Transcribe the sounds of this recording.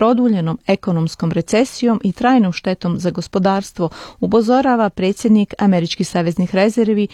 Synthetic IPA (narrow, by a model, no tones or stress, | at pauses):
ɾo̞d̪uːʎe̞no̞me̞ko̞nomsko̞mɾe̞t̪se̞sijo̞mʔit̪ɾaːjnomʃt̪e̞t̪o̞mzaɡo̞spo̞d̪aːɾst̪ʋo̞upo̞zo̞ɾaːʋapɾeːt̪sje̞d̪nikame̞ɾit͡ʃkixsaːʋe̞znixɾe̞zeɾʋi